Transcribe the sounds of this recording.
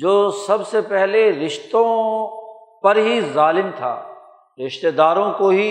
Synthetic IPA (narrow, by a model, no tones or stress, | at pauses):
d͡ʒoːsɐbsepɛɦleɾɪʃt̪õ | pɐɾɦizaːlɪmt̪ʰa̰ː | ɾɪʃt̪eːd̪aːɾõkoɦi